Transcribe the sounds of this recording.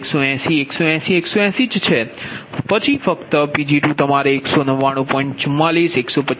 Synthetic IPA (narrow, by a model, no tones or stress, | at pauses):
ksoɛ̃sieksoɛ̃sieksoɛ̃sid͡ʒt͡ʃʰepət͡ʃʰifəkt̪əpid͡ʒiʈũt̪əmaɾeːksonəʋːaɽ̃ũpɔ̃iɳʈt͡ʃʊmːaliseksopə